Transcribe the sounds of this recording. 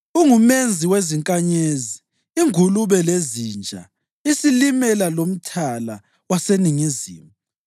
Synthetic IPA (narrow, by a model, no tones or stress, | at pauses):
uŋumend͡zʱiweziŋkʼaɲeziː | ŋuluβɛlezind͡ʒʱa̰ | isilimɛlalom̩tʰala | waseniŋizḭːmu